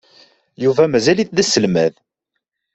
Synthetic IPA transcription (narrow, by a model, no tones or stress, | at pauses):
juvæmæzæliθðæsːəlmæð